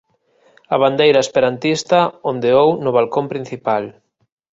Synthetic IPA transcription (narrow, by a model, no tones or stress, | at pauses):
ɐβ̞and̪ejɾɐespeɾant̪ist̪ɐond̪eownʊβalkompɾin̟θipal